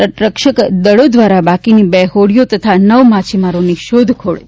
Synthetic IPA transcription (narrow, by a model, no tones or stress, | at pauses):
ɾəʈɾəkʃəkd̪əɭod̪ʋaɾabakinibɛɦoɽijot̪ət̪ʰanəʋmat͡ʃʰimaɾoniʃod̪ʱkʰoɭe